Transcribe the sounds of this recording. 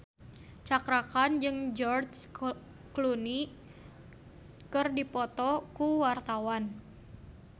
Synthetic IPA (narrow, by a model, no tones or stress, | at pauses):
t͡ʃakɾakand͡ʒɨŋd͡ʒɔrs | kluni | kɨrdipɔt̪ɔkuwart̪awan